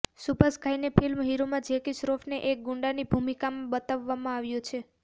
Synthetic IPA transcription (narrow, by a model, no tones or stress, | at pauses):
supəskʰajnepʰilmɦiɾumãd͡ʒekisɾofneʔek̚ɡʊ̃ɳɖanibʱumikamãbət̪aʋːamãaʋjũt͡ʃʰe